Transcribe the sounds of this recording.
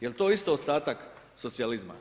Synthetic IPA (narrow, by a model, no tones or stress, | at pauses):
jelt̪o̞ist̪oost̪aːt̪ak | sot̪sializma̰